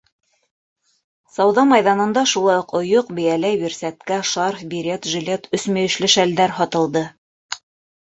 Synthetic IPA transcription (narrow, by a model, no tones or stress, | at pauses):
sɑwðɑmɑjðɑnɤ̆nd̪ɑʃulˠɑjoqŏjoqbɘ̆jælæjbiɾsæt̪kæʃɑɾfbiɾʲet̪ʒɵ̆lʲet̪ɵ̆smæjɵ̆ʃlɘʃæld̪æɾhɒt̪ɤ̆lˠd̪ɤ